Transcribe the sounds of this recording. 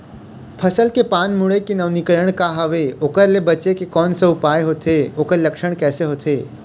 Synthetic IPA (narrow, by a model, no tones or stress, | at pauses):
pʰəsəlkepaːnmʊɭekenəʋnɪkɭəɽ̃kaɦəʋeoːkəɾlebət͡ʃekekɔːnsəʊpaːeɦoːt̪ʰeoːkəɾlɐkʃəɽ̃kɛːseɦot̪ʰeː